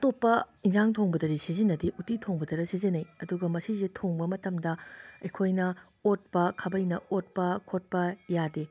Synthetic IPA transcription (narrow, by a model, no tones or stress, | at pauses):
ɐtopːɐinzaŋtʰoŋbɐdɐɾisizinːɐdiʔutitʰoŋbɐdɐɾɐsizinɐjɐduɡɐmɐsisetʰoŋbɐmɐtɐmdɐɐjkʰojnɐ | ot̚pɐkʰɐbɐjnɐot̚pɐkʰot̚pɐjade